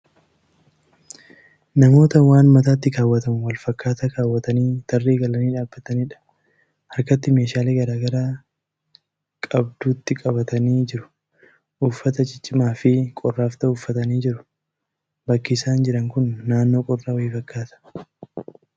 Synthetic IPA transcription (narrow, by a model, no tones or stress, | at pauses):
nɐmo̞ːt̪ɐwaːnmɐt̪aːt̪ːɪkaːwːɐt̪ɐmʊwɐlfɐkːaːt̪ɐkaːwːɐt̪ɐniːt̪ɐrːeːɡɐlɐniːᶑaːbːɐt̪ɐniːᶑɐ̥ | hɐɾkɐt̪ːɪme̞ːʃaːleːɡɐɾaːɡɐɾaː | kʼɐb̚d̪uːt̪ːɪkʼɐbɐt̪ɐniːd͡ʒɪɾʊ̥ | ʔuːfːɐt̪ɐd͡ʒɪt͡ʃʼːɪmaːfɪkʼɔrːaːft̪ɐʊːfːɐt̪ɐniːd͡ʒɪɾʊ̥ | bɐkːɪːsaːnd͡ʒɪɾɐŋkʊnːaːnːoːkʼɔrːaːwifɐkːaːt̪ɐ̥